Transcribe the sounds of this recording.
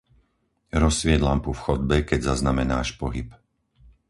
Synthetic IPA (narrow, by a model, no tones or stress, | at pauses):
ɾɔsʋɪɛd̪lampufxɔd̪̚bɛkɛɟzaznamɛnaːʃpɔɦip